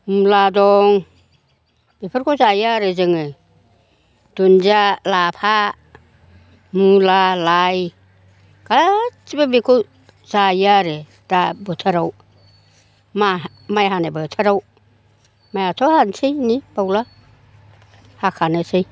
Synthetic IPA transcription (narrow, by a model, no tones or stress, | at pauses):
muladɔŋ | bipʰɯɾkʰɔzajaɾezɯŋɯ | d̥unzalapʰa | mulalaj | kat͡ʃibabikʰu | zajaɾe | d̥abɯtʰaɾaw | ma | majɦanebɯtʰaɾaw | majatʰɔhansʰejnibawla | hakʰanɯsej